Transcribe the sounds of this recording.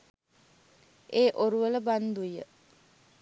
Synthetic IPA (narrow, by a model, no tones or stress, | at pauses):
ʔeːʔoɾuʋələband̪ujə̰